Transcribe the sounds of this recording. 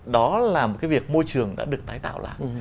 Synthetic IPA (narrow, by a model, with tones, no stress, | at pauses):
ɗɔ˨˦laː˨˩mo˨˩kaː˨˦jvi˨˩ək̚mo˧jt͡ɕɨ˨˩əŋɗa̰ː˧˥ɗɨ˨˩ək̚t̪aː˨˦jt̪a̰ː˧˨wla̰ː˧˨jʔ